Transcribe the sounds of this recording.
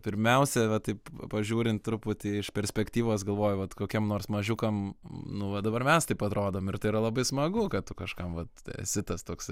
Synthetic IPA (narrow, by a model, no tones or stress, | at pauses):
pʲɪɾʲmʲɛʊsʲɛʋɐt̪ɐɪppɐʒʲuːɾʲɪnt̪tːɾʊpʊt̪ʲɪɪʃpʲɛɾʲsʲpʲɛkt̪ʲiːʋoːsɡɐlˠʋoːjʊʋɐt̪koːkʲɛmnoːrsmɐʒʲʊkɐmnʊʋɐd̪ɐbɐrmʲɛst̪ɐɪpɐt̪ɾoːd̪oːmɪrt̪ɐɪiɾɐlˠɐbɐɪsmɐɡʊkɐtt̪ʊkɐʃkɐmʋɐt̪sʲɪt̪ɐst̪oːks